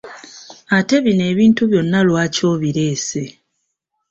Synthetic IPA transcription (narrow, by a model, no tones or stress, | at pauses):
ate̞βine̞ːβiːntuβjo̞nːalwaːco̞ːβiɾe̞ːse̞